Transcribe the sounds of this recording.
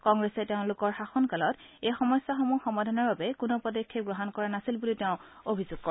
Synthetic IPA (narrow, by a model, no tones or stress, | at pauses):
kɔŋɡɹɛsɛteʊ̃lʊkɔɹxaxɔnkalɔt | ejxɔmɔjsːaxɔmuxɔmadʱanɔɹbabɛkʊnɔpɔdɔkʰːeɡɹɔɦɔnkɔɹanasilbuliteʊ̃ | obʱizʊɡ̥̚kɔɹɛ